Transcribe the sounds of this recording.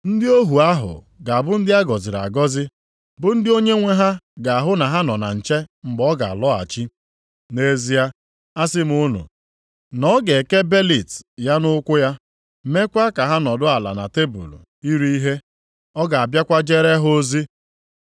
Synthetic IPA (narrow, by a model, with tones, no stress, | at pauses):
n̩˦dɪ˦o˦ɦu˨a˦ɦʊ̰˨ | ɡa˨a˨bʊ˦n̩˦dɪ˦a˦ɡɔ˨zɪ˨ɾa̰˨ɡɔ˦zɪ˦ | bʊ˨n̩˦dɪ˦o˦ɲe˦ŋʷe˦ɦa˦ɡa˨a˨ɦʊ˦na˨ɦa˦nɔ˨na̰˨n̩˨t͡ʃe˦ŋ͡m̩˨ɡ͡bɔ˦ɡa˨a̰˨lɔ˦a̰˨t͡ʃi˦ | ne˦zi˦a˦ | a˦s̬ɪ˦m̩˦ʊ˦nṵ˨ | nɔ˦ɡe˨ke˦be˦li˨tja˦nʊ˦kʷʊ˦ja˦ | me˦kʷa˦ka˨ɦa˦nɔ˨dʊ˦a˨la̰˨na̰˨te˦bṵ˨lṵ˨ | i˦ɾi˦i˦ɦe˦ | ɔ˦ɡa˨a˨bja˦kʷa˦d͡ʒe˦ɾe˦ɦo˦zi˦